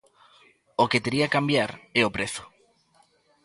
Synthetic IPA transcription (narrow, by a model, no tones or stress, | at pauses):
oket̪eɾiakambjaɾɛopɾeθʊ̥